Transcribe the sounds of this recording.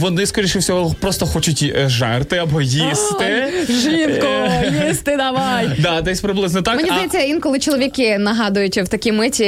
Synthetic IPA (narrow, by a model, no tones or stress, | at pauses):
ʋɔnɪskɔɾʲijʃɪwsʲɔɦɔpɾɔst̪ɔxɔt͡ʃʊtʲʒɛrt̪ɪɐbɔjist̪ɪʒlʲiwkɔjist̪ɪd̪ɐʋɑjd̪ɑd̪ɛsʲpɾɪblˠɪznɔt̪ɑkmɛnʲizd̪ɐjɛt͡sʲːɐinkɔlˠɪt͡ʃɔlˠɔʋʲikɪnɐɦɑd̪ʊjʊtʲwt̪ɐkʲimɪtʲi